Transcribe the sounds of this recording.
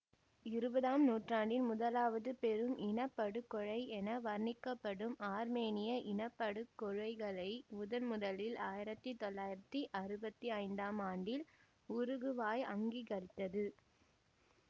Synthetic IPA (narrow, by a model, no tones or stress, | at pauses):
ɪɾɯbɐðaːmnuːʈraːɳɖɪnmʊðɐlaːʋɐðɯpɛɾɯmʔɪnɐpːɐɽɯkːɔɻɐɪɛnɐʋɐɾnɪkːɐpːɐɽɯmaːɾmeːnɪjɐʔɪnɐpːɐɽɯkːɔɻɐɪɣɐɭɐɪmʊðɐnmʊðɐlɪlaːjɪɾɐt̪ːit̪ɔlːaːjɪɾɐt̪ːiʔɐɾɯbɐt̪ːiɐɪnd̪aːmaːɳɖɪl | ʊɾɯɣɯʋaːjɐŋɡiɣɐɭt̪ːɐðɯ